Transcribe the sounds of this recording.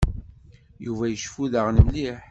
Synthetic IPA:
juvæjəʃfuðəʁnəmliħ

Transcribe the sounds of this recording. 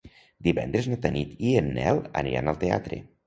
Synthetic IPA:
d̪iβɛnd̪ɾeznat̪ənit̪iənːɛlˠə̰niɾa̰nəlˠt̪ea̰t̪ɾḛ

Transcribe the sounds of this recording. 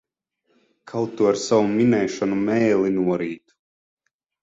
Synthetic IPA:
kʰalˠt̪uaɾsawuminɛjʃɔnumɛjlˠinuɔɾiːt̪u̥

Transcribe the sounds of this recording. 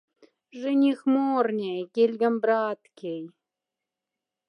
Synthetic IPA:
ʐɨnʲixmornʲejkʲelʲɡʲə̆mbɾɑt̪kʰʲej

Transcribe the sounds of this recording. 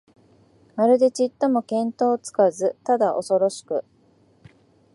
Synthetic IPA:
maɾɯ̟d̪e̞t͡ɕit̪ːomo̞kẽ̞nt̪o̞ːt͡sɨ̥kazɨt̪ad̪aʔo̞so̞ɾo̞ɕi̥kɯ̟

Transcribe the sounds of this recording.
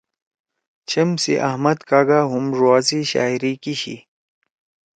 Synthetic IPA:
t͡ɕʰɐmsḭʔɐhmɐd̪kaːɡaɦumʐuaːsiɕa̰ːiɾikiɕḭ

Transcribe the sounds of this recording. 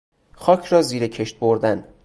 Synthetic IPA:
xɒːcʰɾɒːziːɾecʰe̞ʃt̪̚boɾd̪æn

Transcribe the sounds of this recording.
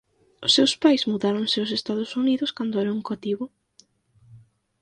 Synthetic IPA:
ʊsːewspajzmuðaɾʊŋsɪʊs̬est̪aðʊsuniðʊskand̪ʊɛɾauŋkoat̪iβʊ

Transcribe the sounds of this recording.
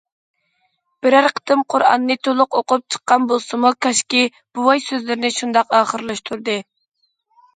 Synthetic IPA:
b̥ɪɾæɾqʰə̥t̪ɨmqʰʊɾɑ̰nːɨt̪ʰolˠʊqoqʊp̚t͡ʃʰə̥qːɑnbolˠsɨmukʰɑʃkʲi | b̥uwɑjsøzlɪɾɪnɪʃund̪ɑqɑːχəɾlˠɨʃt̪ʰuɾd̪ɨ

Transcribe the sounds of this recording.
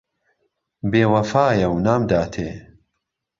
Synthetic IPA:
beːwɐfaːjɐwnaːmd̪aːt̪ʰḛː

